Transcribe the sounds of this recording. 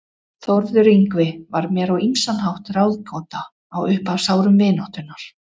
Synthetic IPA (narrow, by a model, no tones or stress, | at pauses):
θɔɾðʏɾiŋkvɪvaɾmjɛːɾawimsanɦawht̪rawðkʰɔw̪t̪aː | wʏhpavsaːwɾʏmvɪːnɔht̪ʏnːaɾ̥